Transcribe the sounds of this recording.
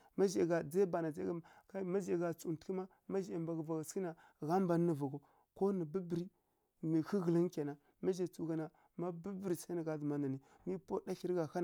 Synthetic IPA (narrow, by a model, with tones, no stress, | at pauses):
ma˦ʒɡa˨d͡za˦ba˨na˨d͡za˦ɡa˦ka˦ma˦d͡ʒa˨ɡa˨t͡su˨tki˦ma˦ | ma˦ʒa˨mba˨ɡva˨ɡa˨ski˦na˨ | ɣa˦m˦ba˨˦nə˨va˨ɡo˨ | ko˦ni˨bi˦bɾi˦ | mi˨xi˦ɣə˨li˦ŋ˦kʲa˨na˨ | ma˦ʒe˨t͡su˨ɡa˨na˨ | ma˦bi˦bɾi˨sa˦na˨ɡa˨du˨ma˨na˨ni˨ | mi˦po˦da˦ɬi˦ɾɡa˨xa˦n˨